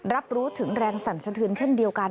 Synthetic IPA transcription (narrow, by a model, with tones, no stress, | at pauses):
ɾa˦˥p̚ɾuː˦˥t̪ʰɯ˩˦ŋɾɛː˧ŋsa˩˦nsa˧t̪ʰɯː˧nt͡ɕʰe˥˩ndi˧əwka˧